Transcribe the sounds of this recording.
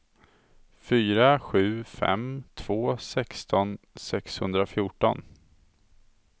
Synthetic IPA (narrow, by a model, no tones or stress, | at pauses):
fyːɾaɧʉ̟ːfɛ̰mt̪ʰv̥oːsɛkst̪ʰɔnsɛkshɵnd̪ɾafjuːʈɔn